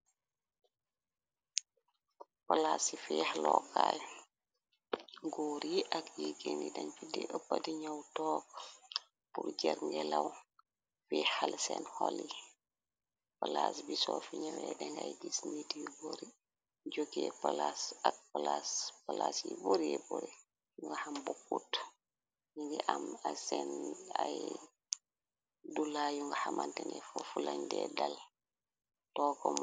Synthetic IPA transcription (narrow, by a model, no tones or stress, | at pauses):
palasifihlɔkʰːaj | ɡoːɾiʔakjiɡenidɐɲfidiʔəpːadiɲawtɔːk | purd͡ʒɛɾŋɡɛlaw | fihalsɛ̰nhɔli | palaːsbisɔːfiɲawɛdɛŋɡajɡisnitiwiboɾi | d͡ʒokːɛpalasak̚palaspalasiboɾiɛboɾi | juŋɡahambokːut | jiŋɡɛʔamasɛnaj | dulajuŋɡahamantɛnɛfɔfulaɲdɛdal | tɔːkɔm